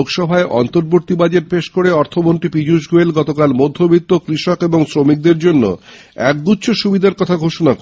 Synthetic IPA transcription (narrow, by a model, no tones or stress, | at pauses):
okʃɔbʱaeʔɔ̰nt̪oɾboɾt̪ibad͡ʑeʈ̚peʃkoɾeɔɾt̪ʰomonʈ̪ɾipid͡ʑuʃɡoelɡɔt̪okalmod̪ʱːobit̪ːokɾiʃɔkeboŋsɾomik̚d̪eɾd͡ʑonːo̰ | ɛk̚ɡ̪utːɕʰoʃubid̪ʱaɾkɔt̪ʰaɡʱoʃonak